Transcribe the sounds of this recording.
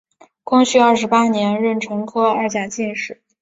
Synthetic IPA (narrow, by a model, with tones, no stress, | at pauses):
kʰʊ˥ŋɕy˥˧ɐ˞˥˩ʂ̬ɻpa˥njɛ˧˥nɻə˥˩nʈ͡ʂʰɤ˧˥ŋkʰɤ˥ə˞˧˥t͡ɕja˨˩t͡ɕi˥˧nʂɻ̩˥˩˦